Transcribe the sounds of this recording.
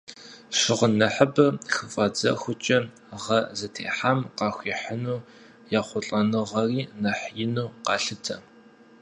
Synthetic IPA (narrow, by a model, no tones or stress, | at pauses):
ʃɪʁənɐħəbɐxɨfʼɐd͡zɐ̰xʷʊt͡ʃʼɐ | ʁɐzɐtʰḛːħaːmqɑːxʷiːħənuː | jaːχʷʊɬʼɐnɨʁɐriːnɐħjɪnuːqɑːɬɨtʰɐ